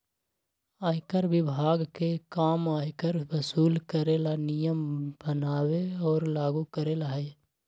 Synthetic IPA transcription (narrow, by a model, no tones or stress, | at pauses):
aːɪkəɾwɪbʱaːɡkekaːmaːjkəɾwəsuːlkəɾelanijəmb̥ənaːweɔːɾlaːɡukəɾeːlaɦɛ